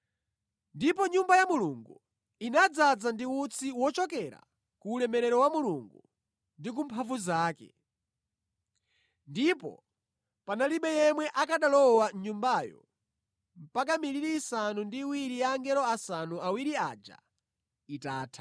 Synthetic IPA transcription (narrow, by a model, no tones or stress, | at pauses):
ndipɔɲumbajamuluŋɡu | inad͡zad͡zandiut͡sʰiwɔt͡ʃɔkɛɾa̰ | kuːlɛmɛɾɛɾɔwamuluŋɡu | ndik̬umpʰavuzaːkɛ̰ | ndipɔ̰ | panaliɓɛjɛmwɛʔakaɗalɔwaɲumbajɔ̰ | m̩pak̬amiɾiɾiːsanundiwiɾijaːŋɡɛɾɔasanuʔawiɾiaːd͡ʒa̰ | itaːtʰḁ